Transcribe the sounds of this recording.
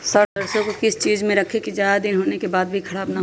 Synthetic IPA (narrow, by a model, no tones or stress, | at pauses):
sɐʈd̪ɐɾsõkokɪst͡ʃiːzmẽɾɐkʰekid͡ʒjaːd̪ad̪ɪnɦoːnekebaːd̪̚bʱikʰɐɽaːbnaɦo